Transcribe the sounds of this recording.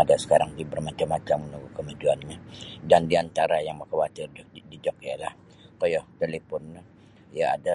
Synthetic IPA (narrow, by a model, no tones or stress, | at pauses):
adasə̥kaɾaŋd̪ibərmat͡ʃamːat͡ʃamːənuɡukəmad͡ʒuanɲadandiant̪aɾajaŋbərkawat̪ɪrdid͡ʒɔkjalah | kojɔht̪elepɔnː | ijaa̰da